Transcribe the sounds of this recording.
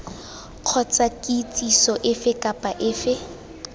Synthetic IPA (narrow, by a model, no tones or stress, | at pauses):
q͡χʰɔt͡sʼakʼɪt͡sʼisɔʔɪfɪkʼapʼaʔɪːfɪ